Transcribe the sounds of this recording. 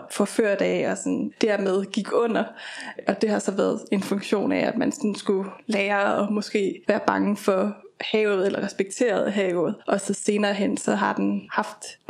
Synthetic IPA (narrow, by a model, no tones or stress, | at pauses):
fɒ̽føɐ̰d̥æɒsɒnd̥æɐ̰með̞ˠɡ̥iɡ̥ɔ̽n̰ɐʔɒ̽d̥e̝hɑ̈sɒ̽ʋæːɐðˠe̝nfɔ̽ŋɡ̥ɕo̝̰ːnææd̥mænsɒnsɡ̥ulɛːɐɒ̽mɒ̽sɡ̥e̝̰ːʋæːɐb̥ɑ̈ŋəfɒ̽hɛːʊð̩ˠelɐʁɛsb̥eɡ̥̚t͡sʰe̝̰ːɐð̞̩ˠɦɛːʊð̩ˠʔɒ̽səse̝ːnɐːɦen̰sɒ̽ɦɑ̈d̥enhɑ̈fd̥